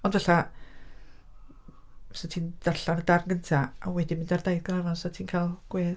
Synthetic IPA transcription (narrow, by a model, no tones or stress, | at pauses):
ɔndvaɬa | satʰiːnd̥aɬanədarnɡəntʰaawɛdɪmɪndardajðɡranɔnsatʰiːnkʰajlˠɡ̥weːð